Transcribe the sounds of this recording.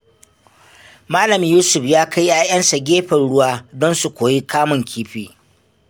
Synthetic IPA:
maː˦lɐ˨mjuː˦sʊ˨ɸjaː˦kʰa˦jʔaː˦jɐ˦nsa˨ɡʲeː˦ɸɐ˨nɽʊ˦waː˦dɔ˦nsu˨kʷoː˨ji˦kʰaː˦mʊ˨ŋkʲʰiː˦ɸiː˨

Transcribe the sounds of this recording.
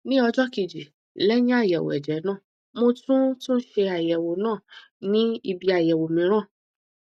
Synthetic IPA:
nĩ˦ɔ˧d͡ʒɔ˦ki˧˨d͡ʒi˨ | lɛ˦jĩ˦a˦˨jɛ˨w̰ɛ̰˨d͡ʒɛ˨˦nãː˦˨ | mo˧tũ˦to˦ʃe˧a˨jɛ˨wo˨˦nãː˦˨ | nĩ˦i˧bi˧a˨jɛ˨wo˨mĩ˨˦ɾ̃ãː˦˨

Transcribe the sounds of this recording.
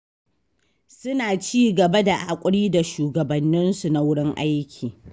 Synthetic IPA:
sʊ˦naː˨t͡ʃiː˦ɡɐ˨ba˦da˨ʔa˨kʷʼʊ˦ɽiː˦da˨ʃuː˨ɡɐ˨bɐ˨nːɪ˦nsu˨na˦wʊ˦ɽɪ˦ŋʔa˦jkʲʰiː˨

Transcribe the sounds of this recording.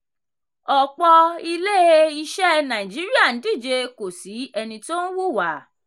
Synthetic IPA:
ɔ˨k͡pɔ˧i˧le˦i˧ʃɛ˦nã˨ĩ˨d͡ʒi˨˦ɾi˦a˦˨n̩˨˦di˦˨d͡ʒe˧ko˨si˨˦ɛ˧nĩ˧to˦n̩˦wu˦˨wa˨˦˨

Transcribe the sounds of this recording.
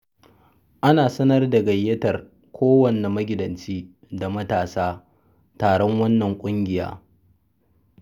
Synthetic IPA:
ʔa˦naː˨sɐ˦nɐ˦rda˨ɡɐ˨jːɐ˦tɐ˨r | kʷʰoː˦wɐ˨nːe˨mɐ˦ɡʲɪ˨dɐ˨nt͡ʃiː˦ | da˨mɐ˦taː˨saː˦ | taː˨ɽɔ˦ŋwɐ˦nːɐ˨ŋkʷʼʊ˦ŋɡʲɪ˨ja̰ː˦

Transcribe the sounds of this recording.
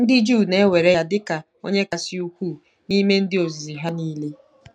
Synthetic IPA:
n̩˦dɪ˦d͡ʒuː˦˨ne˦we˨ɾe˦˨dɪ˦ka˨ | o̰˦ɲe˦ka˨sɪ˦u˦kʷu˦˨ | ni˦me˦n̩˦dɪ˦o˨zi˨i˨ɦa˦ni˦le˦

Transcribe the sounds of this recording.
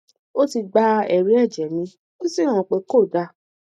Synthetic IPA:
o˦ti˧ɡ͡ba˧ɛ˨ɾi˨˦ɛ˦˨d͡ʒɛ˨nĩ˨˦ | kĩ˦si˦˨hã˨k͡pe˨˦ko˦˨da˧˦

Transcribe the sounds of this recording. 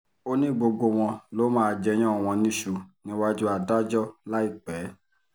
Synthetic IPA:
o˦nĩ˦˨ɡ͡bo˧ɡ͡bo˧w̃ɔ̃˧lo˦mãː˦˧d͡ʒɛ˧˦j̃ɔ̃˦˨w̃ɔ̃˧nĩ˦ʃu˨˧nĩ˨˦wa˦d͡ʒu˦a˧da˦d͡ʒɔ˦la˦i˦˨k͡pɛ˨˦

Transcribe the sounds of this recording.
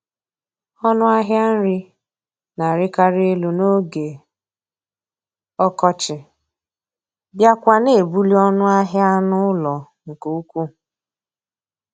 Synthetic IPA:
ɔ˦nʊ˦a˦ɦja˦n̩˦ɾɪ˦ | na˨ɾɪ˦ka˦ɾe˦lu˨no˦ɡe˨ | ɔ˦kɔ˦t͡ʃɪ˨ | bja˦kʷa˦ne˨e˨bu˦li˦ɔ˦nʊ˦a˦ɦja˦nʊ˦lɔ˨ | ŋ̩˨ku˨u˦kʷu˦

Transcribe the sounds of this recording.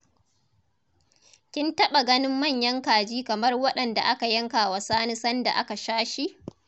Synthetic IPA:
kʲɪ˦ntɐ˦ɓa˨ɡɐ˦nɪ˦mːɐ˦˨ɲjɐ˦ŋkaː˨d͡ʒiː˦kɐ˨mɐ˦rwɐ˦ɗɐ˨nda̰˨ʔa˦ka˨jɐ˦ŋkaː˨wa˨saː˦ni˦sɐ˦nda̰˨ʔa˦ka˨ʃaː˦ʃi˦ʔ

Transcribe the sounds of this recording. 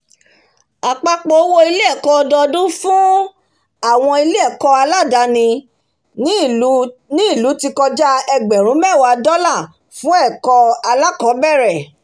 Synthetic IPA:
a˨k͡pa˧k͡po˨˦wo˧i˧le˦ɛ˦˨kɔ˧dɔ˧dũ˦fũ˦ | a˦˨w̃ɔ̃˧i˧le˦ɛ˦˨kɔ˧a˧la˦˨da˨˧nĩ˧˦ | nĩ˦i˦˨lu˨˦ti˧kɔ˧d͡ʒa˦ɛ˧ɡ͡bɛ˨ɾ̃ũ˨˦mɛ˦˨wa˧dɔ˦lã˦˨ | fũ˦ɛ˦˨kɔ˧a˧la˦kɔ̃˨˦bɛ˦˨ɾɛ˨

